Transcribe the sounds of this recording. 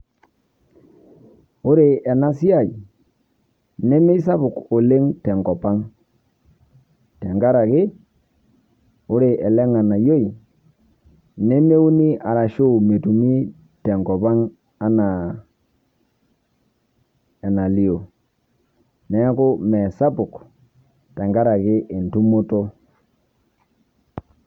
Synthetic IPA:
o˦ɾe˨ɛ˨na˦si˦a˦˨j | nɛ˦me˦i˦sa˦βʊ˨ko˨le˦ŋtɛ˨ŋɡɔ˨pa˦ŋ | tɛ˨ŋɡa˦ɾa˨kɪ˦ | o˦ɾe˨ʔɛ˨lɛ˦ŋa˨na˨jo˦i˨ | nɛ˦ne˦u˦ni˦a˨ɾa˨ʃo˦˨me˨tu˨mi˦ | tɛ˨ŋɡɔ˨pa˦ŋ | a˦na˨ | ɛ˨na˨li˦o˨ | nɛ˦kʊ˦mɛ˨sa˦pʊ˨k | tɛ˨ŋɡa˦ɾa˨kɪ˦ʔe˨ntu˦mo˦to˦

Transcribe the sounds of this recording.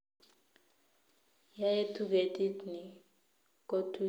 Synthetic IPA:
ja˦e˦tʰu˦ke˨tʼi˦tni˨ | ko˦tʰu˦

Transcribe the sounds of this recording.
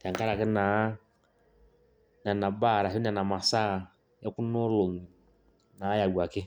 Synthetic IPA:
ja˨ŋka˦ɾa˨kɛ˦na˨˦ | n˨a˨na˨ba˦˨ɾa˨ɦn˦a˨na˨ma˨sa˦˨ | ɛ˦ku˦nɔ˦lʊ˨n˨ | na˨˦ja˨ɡwa˨kɪ˦

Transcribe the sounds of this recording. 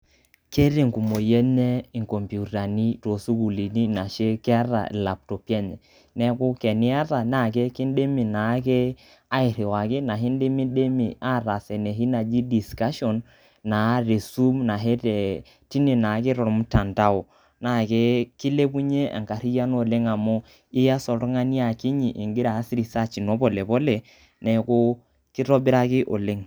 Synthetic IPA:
ke˦ɾe˨ŋku˨mo˨jɛ˦ɲɛ˦i˨ŋkɔ˨mpju˨ta˨ni˦to˨su˦ku˨li˨ni˦na˨ʃe˦kɪ˦a˦ɾa̰˨la˨p̚tɔ˨pjɛ˦ɲɛ˨ | nɛ˦kʊ˦kɛ˨ni˦a˦ɾa˨na˦˨k̬e˦ki˦n˦de˦mi˨na˨˦ke˦ | a˦ɪ˨ɾi˨wa˨kɪ˦na˨ɦi˦nde˦mi˦ɗe˦mḭ˨a˦ɾa˨sɛ˨ne˨ɦi˦na˨d͡ʒi˦di˨ska˦ʃɔ˨nː | a˨˦ɾe˨su˦mna˨ɦe˦te˨ | ti˦ne˨na˨kɪ˦ɾɔ˨ɾmu˦ta˨nta˦o˨ | na˨ke˦kɪ˦le˦bu˦ɲe˦ʔa̰˨ŋka˨ɾi˦ja˦n˦o˨le˦ŋa˨mʊ˦ | ɪ˦ja˦sɔ˨ɾu˦ŋa˦ni˦a˨ki˦ɲi˨ʔɪ˨ŋɡɪ˦ɾaː˨˦sɾi˨sa˦t͡ʃi˨no˦bɔ˨le˨bɔ˦le˨ | nɛ˨ko˦ | ki˦ɾɔ˦bɪ˦ɾa˦kɪ˦ʔo̰˨le˦ŋ

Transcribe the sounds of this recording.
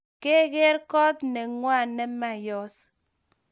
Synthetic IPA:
ke˦ɡe˦ɾkɔ˦t̩̚˨ne˨ŋwa˦˨nːe˦ma˦˨jɔ˦s

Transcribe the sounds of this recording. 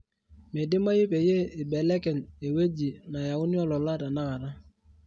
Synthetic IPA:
me˨dɪ˦ma˦ji˦pe˨je˦e˨be˨˦le˦kɛ˨ne˨we˦d͡ʒi˨na˨ja˨wʊ˦ni˦ɔ˦lɔ˨la˦da˨na˦ɣa˨ɾa˦

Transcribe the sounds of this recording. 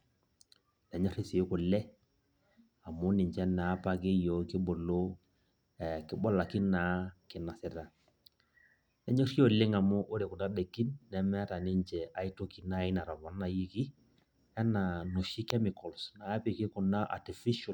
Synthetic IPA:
nɛ˨ɲɔ˦ɾɪ˦sɪ˨˦kʊ˨lɛ˦ | a˨mʊ˦nɪ˨ɲt͡ʃɛ˦na˨˦pa˨kɪ˦jo˨kɪ˦bo˨lo˦ | ɛ˨kɪ˦bɔ˦la˨ki˦na˨˦kɪ˨na˨sɪ˦ɾa˨ | nɛ˨ɲɔ˦ri˦o˦˨lɪ˦ŋa˨mʊ˦ʔo˦ɾɪ˨kʊ˨na˦de˨ki˦nːɛ˨mɛ˦a˦ta˨nɪ˦ɲt͡ʃɛ˨ʔa˨i˦to˦ki˨˦na˦ɪ˦na˨ɾa˨ma˨n˦a˨ji˦ki˦ | ɛ˦na˨nʊ˨ʃi˦kɛ˦mɪ˨kɔ˨lsna˨˦pɪ˨kɪ˦kʊ˨na˦ʔa̰˨ti˨fi˦ʃɔ˨l

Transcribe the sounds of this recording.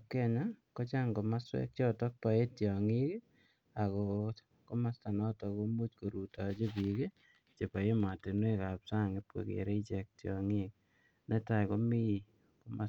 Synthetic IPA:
kɛ˦ɲa˦kɔ˦t͡ʃa˦ŋɡo˨ma˦swɛ̰˦k̚t͡ʃɔ˦tɔ˦k̚pa˨e˦tjɔ˨ŋi˦k | a˨kɔ˨ | ko˦ma˦sta˨nɔ˦tɔ˨ko˦mu˦t͡ʃko˨ɾu˨ta˨t͡ʃe˦pi˨ke˦ | t͡ʃe˨pa˨je˦ma˨te˨nwe˦ka˨psa˦ŋɪ˦pwḛ˨kḛ˨ɾe˦i˦t͡ʃɛ˨k̚tjɔ˨ŋi˦k | ne˦ta˨ko˦mi˦˨ | ko˦ma˦

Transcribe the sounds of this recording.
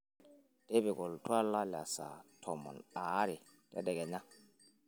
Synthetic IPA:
d̥ɛ˦bɛ˨ɡɔ˨ltʰwa˦la˦la̰˨sa̰˨tʰɔ˨mɔ̰˨na˨˦ɾɪ˨ | d̥ɛ̰˦dɛ˨ɡɛ˨ɲa˦

